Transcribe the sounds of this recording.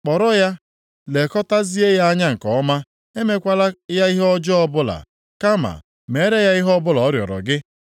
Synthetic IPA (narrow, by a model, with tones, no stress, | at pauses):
k͡pɔ˨ɾɔ˦ja˦ | le˨kɔ˦ta˦zi˦e˦ja˦a˦ɲa˦ŋ̩˨kɔ˨ɔ˦ma˦ | e˦me˦kʷa˦la˦ja˦i˦ɦɔ˦d͡ʒɔ˦ɔ˦bʊ˦la̰˨ | ka˦ma̰˨ | me˨˦ɾe˦ja˦i˦ɦɔ˦bʊ˦lɔ˨ɔ˦ɾjɔ̰˨ɾɔ̰˨ɡɪ˦